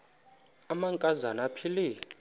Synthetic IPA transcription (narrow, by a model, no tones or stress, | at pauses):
amaŋkʼazanapʰili